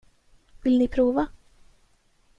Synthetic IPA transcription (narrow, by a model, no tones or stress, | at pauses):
vɪlnɪpʰɾuːva